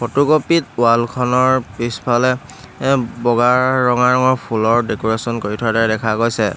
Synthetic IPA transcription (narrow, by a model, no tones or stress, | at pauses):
pʰotukopit̚ʊalkʰɔnɔɹpispʰalɛ | bɔɡaɹːɔŋaɹɔŋɔɹpʰulɔɹdekɔɹesɔnkoɹitʰɔadaɹɛdɛkʰaɡojsɛ